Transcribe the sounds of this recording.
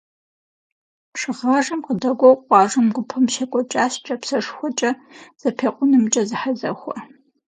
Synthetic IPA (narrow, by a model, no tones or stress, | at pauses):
pʂɨʁaːʐɐmqədɐɡʷɔwqʷɑːʐɐmɡʷʊpʰɐmʃɐkʷʼɔt͡ʃʼaːɕt͡ʃʼɐpsɐʂxʷɔt͡ʃʼɐz̥ɐpʰeːqʷʼʊnɨmt͡ʃʼɐzɨħazɐ̰xʷɐ̰